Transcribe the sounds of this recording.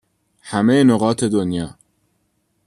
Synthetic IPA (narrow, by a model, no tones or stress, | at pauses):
hæmejenoɣɒːt̪ʰe̞d̪onjɒː